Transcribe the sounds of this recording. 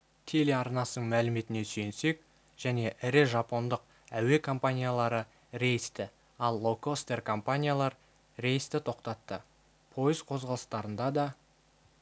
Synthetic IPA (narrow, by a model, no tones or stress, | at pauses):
t̪ʰe̞leɑɾnɑsənəɴmælɪme̞t̪ɪne̞syjense̞k̚ | ʒ̥æne̞ʔɪɾɪʒɑpo̞nd̪əq̚ | æwe̞kʰo̞mpanʲijalˠɑɾə | ɾe̞jɪst̪ɪ | ɑlˠːokost̪e̞rkʰo̞mpanʲijalˠɑɾ | ɾe̞jəst̪ɪt̪ʰo̞qt̪ɑt̪ːə | pʰo̞jəzqʰo̞zʁɑlˠəst̪ɑɾənd̪ɑd̪ɑ